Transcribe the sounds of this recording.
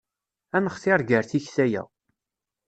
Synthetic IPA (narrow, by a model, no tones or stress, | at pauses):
ænəχθɪɾɡəɾθiçθæjæ̰